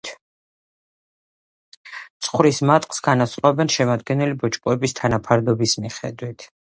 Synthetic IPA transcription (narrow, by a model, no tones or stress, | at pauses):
t̪sʰʼχwɾismat̪ʼqʼsɡanasχʼɔɛbɛnʃɛmad̪ɡɛnɛlibɔt͡ʃʼkʼɔɛbist̪ʰanapʰaɾd̪ɔbismiχɛ̰d̪wit̪ʰ